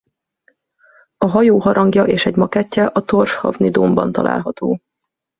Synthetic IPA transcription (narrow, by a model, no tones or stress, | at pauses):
ɒɦɒjoːɦɒɾɒŋɡjɒʔeːʃɛɟmɒkɛcːɛʔɒt̪orʃhɒ̰vnid̪ombɒ̰n̪t̪ɒ̰lʔa̰ːlɦɒt̪oː